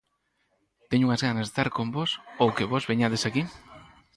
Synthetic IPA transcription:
t̪eɲuŋɐzɣanɐzet̪aɾkombɔsowkɪβɔzβeɲaðesaki

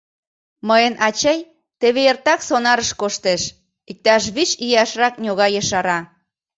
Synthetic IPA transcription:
məenɑt͡ɕɑj | t̪eβeert̪ɑksonɑɾəʃkoʃt̪eʃ | ik̚t̪ɑʃβit͡ɕijɑʃrɑknʲoɣɑjəʃɑɾɑ

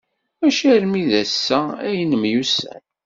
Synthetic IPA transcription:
æʃæɾmiðæsːææjənəmjusæ̰ɾ

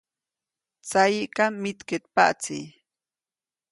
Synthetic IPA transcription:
t͡sajikamɪt̪ket̪̚pa̰ʔt͡sɪ̰j

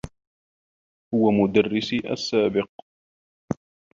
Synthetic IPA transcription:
hʊwamʊd̪arːɪsa̰sːaːbɪq̚

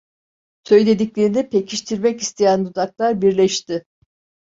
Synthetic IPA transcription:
søjd̪e̞d̪iclʲe̞ɾinipʰe̞cʰiʃt̪ʰiɾmɛci̥st̪ʰejænd̪ud̪aklˠaɾbiɾlʲɛʃt̪ɪ

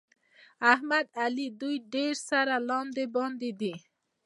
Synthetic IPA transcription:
ahmad̪alid̪ujɖeɾsaɾalɑnd̪ebɔnd̪id̪i

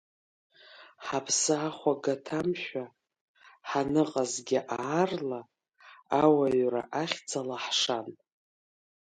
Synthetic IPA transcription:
ħapʰsaːχʷaɡatʰamʃᶣa | ħanɨqʼazɡʲɪʔaːrla | awaɥraʔaχʲt͡sʰalaħʂan

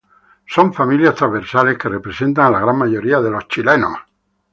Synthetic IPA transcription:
soɱfamiljast̪ɾaββeɾsaleskerepɾese̞nt̪aŋlaɣ̞ɾammːaʝoɾiaðe̞lost͡ʃilenos

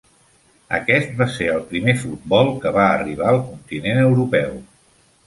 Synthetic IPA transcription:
ə̰kɛst̪̚baseɾəlˠpɾimefut̪̚bɔlˠkəβaəriβ̞aəlˠkunt̪inenəwɾupɛw

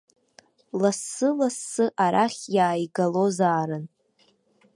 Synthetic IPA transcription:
lasːɨlasːɨʔaɾaχʲjaːjɡalo̞zaːɾɨn

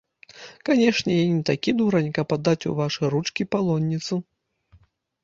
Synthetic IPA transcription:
kanʲɛʂnʲɛjanʲit̪akʲid̪uɾɐnʲkɐpad̪at͡sʲṵvaʂɨɾut͡ʂkʲipalˠɔnʲːit̪su

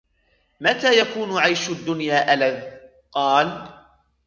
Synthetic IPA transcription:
mat̪aːjakuːnʊʕajʃʊd̪ːʊnjaːʔalað | qɑːl

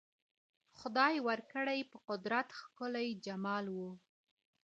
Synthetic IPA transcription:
xʊd̪ɑjwaɾkəɽajpəqʊd̪ɾat̪xkʊlajd͡ʒamɑlwu

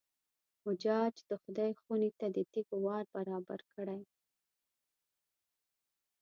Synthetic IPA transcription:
hʊd͡ʒɑd͡ʒd̪̥əxʊd̪ɑjxunet̪ad̪ət̪iɡʊwɑɾbaɾɑba̰ɾkəɽaj

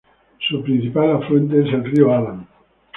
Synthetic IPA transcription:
supɾin̟θipalafɾwent̪̬eeselrioalaŋ

